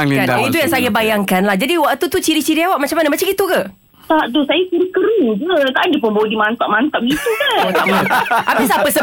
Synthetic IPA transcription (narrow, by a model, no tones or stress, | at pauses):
anait̪ujaŋsajabajaŋkanlahd͡ʒadiwaʔt̪ut̪ut͡ʃiɾit͡ʃiɾiawaʔmat͡ʃamːanəmat͡ʃaŋit̪uka | t̪aʔdʊsajat͡ʃiɾikəɾuŋd͡ʒut̪aʔandiəp̬əmbawədimant̪aʔmant̪ap̚ɡit̪ukat̪aʔmant̪aʔapisapəsə